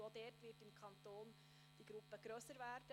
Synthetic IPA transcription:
od̥ɛːrtʋɪtɪmkʰɑntoːn | d̥iɡ̥ɾupːəɡ̥ɾøsəɾvæːɾd̥ə

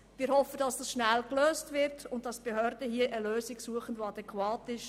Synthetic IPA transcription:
mɪːɾhɔfəd̥ɑsd̥ɑsʃnælkløːstʋɪɾtʊnt̚d̥ɑsb̥eɦøːɾdəɦiəʔəløːsɪksuəχən̩voɑdɛkwɑːtɪʃ

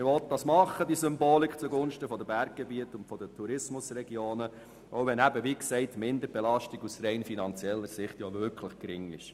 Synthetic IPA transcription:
mɪʋɔlt̚dɑsmɑχːədiəsʏmboːlikχt͡suɡʊnʃtəfɔdəbæɾk̚ɡ̥ɛbiətʊntfɔd̥ətʰuɾɪsmʊsrɛɡjoːnə | oʊʋɛnæbəʋiksɛɪtmɪnd̪əɾb̥ɛlɑʃtiɡusɾɛɪnfinɑnt͡sjɛlːəɾsɪχtjoʋʏɾkʰləχkɾɪŋɪ̰ʃ

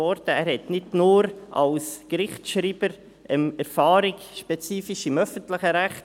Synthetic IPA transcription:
ɔɾtəæːɾhɛtnɪdnʊːɾʔɑ̰lskɾɪχtʃɾiːbəɾ | ʔəmɛɾfɑːɾɪk | ʃpɛt͡siːfiʃɪmœfəntləχəɾæχt

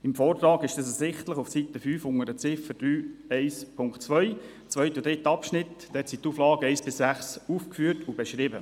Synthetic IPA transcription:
ɪmfɔːrt̪ɾɑːɡɪʃdɛs̬ɛsɪχtləχufsit̪əfyːfʊŋəɾət͡sɪfəd̥ɾyːɛɪspʰʊŋktt͡sʋœʏ | t͡svœʏtud̥̪ɾɪt̪əɑpʃnɪtd̥̪ɛtsituːflɑːɡəɛɪsb̥ɪsːæχsufkfyːəɾtʰubeʃɾɪbə

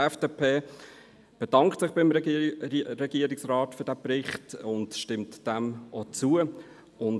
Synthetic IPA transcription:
ɛfd̥eːpʰeː | b̥ed̥ɑŋktsɪχb̥ɪm | ɾɛɡ̥iəɾɪksrɑːtfyɐd̥æprɪχtʊndʃtɪmtd̥ɛmʔot͡suə | ʊn

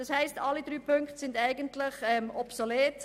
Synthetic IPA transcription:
d̥ɑshɛɪstɑlːidɾyːpʰʉŋkχtsɪndæɪɡəntlɪχɛmɔpsoleːt

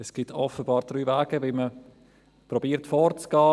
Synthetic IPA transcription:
ɛsɡ̥ɪtʰɔfəbɑːɾd̥ɾyːvaːɡ̥əvɪlmə | pɾɔbiːɾtfɔːɾt͡sɡ̥ɑː

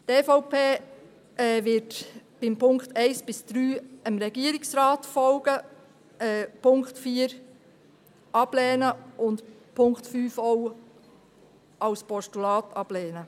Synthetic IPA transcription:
tɛːfoʊpʰeː | ʔɛʋɪtb̥ɪmpʰʊŋkχtɛɪsb̥ɪsd̪̥ɾyːəmɾɛɡiəɾɪksɾɑːtfɔlɡ̥ə | ɛːpʊŋkχtfiːəɾ | ʔɑb̥lɛːnəʊntpʰʊŋktfyːfɔʊ | ɑwspɔʃtulɑːtɑb̥lɛːnə

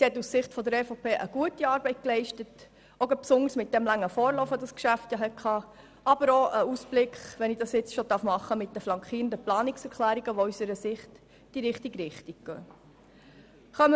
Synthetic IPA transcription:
sihɛtːussɪχtfɔdəɾɛfopʰeːʔəɡ̥uətiɑːɾbɛɪt̚klɛɪʃtət | oɡəpsʊnəɾsmɪt̚d̥ɛmlæŋːəfɔːɾlɔfədɑskʃæftjɑɦɛtkʰχɑː | ʔɑb̥əɾoʔəusb̥lɪkχʋɛnid̥ɑsjɪt͡sʃodɑɾfmɑχəmɪt̚d̥əflɑŋkχiːɾəndəplɑːnɪksɛɾkʰlæːɾiɡəʋɔysəɾəsɪχt | d̥iɾɪχtiɡɾɪχtiɡ̚ɡ̥œ̰ː | χœmə

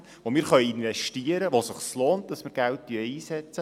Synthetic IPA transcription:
ʋomɪːɾχœjinvɛʃtiəɾəʋosɪχsloːnt̚d̥ɑsmɪɾɡælt̚tyəiːsɛt͡sə

